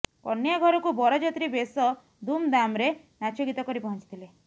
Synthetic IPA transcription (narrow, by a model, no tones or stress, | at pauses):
kɔnːjɔɡʱɔɾɔkubɔɾɔd͡ʒɔt̪ɾibesɔ | d̪umd̪amɾe | nat͡ʃɔɡit̪ɔkɔɾipɔɦɔ̃t͡ʃi̥t̪ʰile